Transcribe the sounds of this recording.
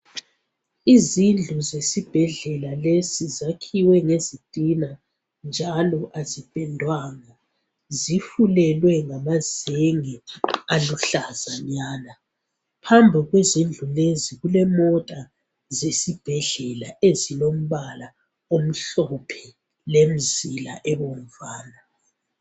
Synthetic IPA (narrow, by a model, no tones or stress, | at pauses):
izind͡ɮʱuzesib̥ʱɛɮɛlalesizakʰiwɛŋezid̥ʼʱina | nd͡ʒʱalɔʔazib̥ʼɛndʱwaŋa | zifulɛlwɛŋamazeŋɛaluɬazaɲaːna | pʰambʱiɣwezind͡ɮʱuleziɣulɛmɔtʼa | zesib̥ʱɛɮɛlaezilom̩βala | om̩ɬɔpʰɛ | lem̩zila̰ʔɛβom̩vaːna